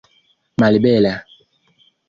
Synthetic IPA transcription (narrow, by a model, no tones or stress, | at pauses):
malibɛla